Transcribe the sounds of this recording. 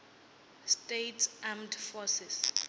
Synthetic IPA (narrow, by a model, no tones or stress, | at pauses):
stetsamdfɔsɛs